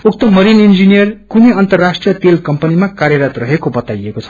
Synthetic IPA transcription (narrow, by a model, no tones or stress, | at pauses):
uk̚t̪omʌɾinind͡zinijʌrkuneʌnt̪ʌrːasʈrijʌt̪elkʌmpʌnimakaɾjʌɾat̪rʌɦekobʌt̪ajekot͡sʰʌ̥